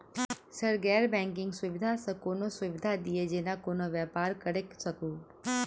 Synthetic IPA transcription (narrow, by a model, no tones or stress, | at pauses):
səɾɡɛːɾbɛ̃ːŋkɪ̃ŋɡsʊʋɪd̪ʱasəkoːnosʊʋɪd̪ʱad̪ied͡ʒeːnakoːnoʋjaːpaːɾkəɾeksəkoː